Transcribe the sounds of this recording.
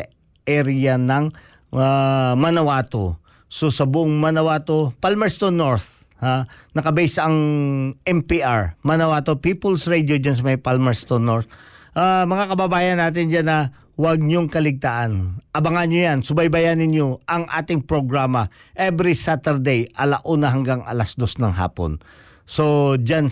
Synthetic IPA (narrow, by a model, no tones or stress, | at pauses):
ɐ | ʔɛɾɪjɐnɐŋ | amɐnɐwaːt̪o | sosɐbʊʔoŋmɐnɐwaːt̪o̞palmɛɹst̪onoɹθ | hanɐkɐbɛsɐŋʔɛmpiʔaɹmɐnɐwaːt̪o̞piːpolsɹɛjd̪jod͡ʒans̬ɐmɐjpalmɛɹst̪onoɹt̪ʔamɐŋakɐbɐbaːjɐnːaːt̪̬ɪnd͡ʒanːɐ | wɐɡ̚ɲoŋkɐlɪɡ̚t̪aːʔɐnʔɐbɐŋanɲojansʊbɐjbɐjanɪɲjo̞ʔɐŋʔa̰ːt̪ɪŋpɾoɡɾamɐ | ʔɛbɾisat̪ɛɹd̪ɛjʔɐlaʔuːnɐɦɐŋɡaŋʔɐ̰lasd̪o̞snɐŋɦa̰ːpo̰n | sod͡ʒan